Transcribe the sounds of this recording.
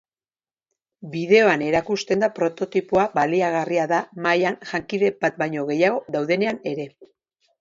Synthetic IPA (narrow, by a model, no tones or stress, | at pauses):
biðe̞o̞ane̞ɾakust̪e̞nd̪apɾo̞t̪o̞t̪ipuabaliaɣariaðamajanʝaŋkiðe̞bat̪̚bajɲo̞ɣe̞jaɣ̞o̞ðawðe̞ne̞ane̞ɾe̞